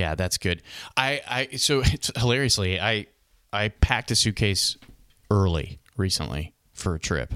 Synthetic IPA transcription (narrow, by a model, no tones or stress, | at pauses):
jæ̰ðætsɡ̥ʊd̥aɪʔaɪsoʊhəlɛɹiɨsliaɪ | ʔaɪpʰæk̚tɨsʉkʰeɪs | ɜ˞lˠḭ | ɹisə̰̃nʔlḭ | fə˞ɨtʰɹ̥ɪ̰p